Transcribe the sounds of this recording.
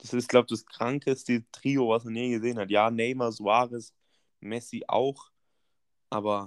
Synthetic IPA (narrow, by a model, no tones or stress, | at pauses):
d̥asɪstɡ̥laʊbd̥askʁ̥aŋkəstitʁ̥iːovasmaniːɡəzeːənhatjaːnɛɪmɐzuaːʁɪs | mɛsiʔa̰ʊx | ʔaːbɐ